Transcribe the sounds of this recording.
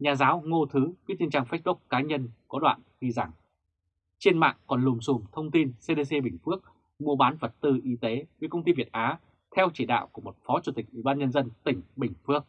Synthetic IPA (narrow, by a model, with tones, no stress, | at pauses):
ɲaː˨˩zaː˨˦wŋo˧t̪ʰɨ˨˦vi˦˥t̚ɲə˧nt͡ɕaː˧ŋfa˦˥s̚ɓʊ˦˥k͡p̚kːaː˨˦ɲə˧nkɔ˨˦ɗwa̰ː˧˨nxi˧za˧˩ŋ | t͡ɕe˧nma̰ː˧˨ŋkɔ˨˩nlu˨˩msu˨˩mt̪ʰə˧wŋ͡mt̪i˧nse˧ɗe˧se˧ɓï˨˩ŋ̟fɨ˦˥ək̚ | mo˧ɓaː˨˦nvə˨˩t̚t̪ɨ˧ʔi˨˦t̪e˨˦və˨˦kə˧wŋ͡mt̪i˧vi˨˩ət̚ʔaː˨˦ | t̪ʰɛ˧wt͡ɕḭ˧˩ɗa̰ː˧˨wku˧˩əmo˨˩t̚fɔ˨˦t͡ɕu˧˩t̪ï˨˩k̟̚ʔwi˧˩ɓaː˧nɲə˧nzə˧nt̪ï˧˩ŋ̟ɓï˨˩ŋ̟fɨ˦˥ək̚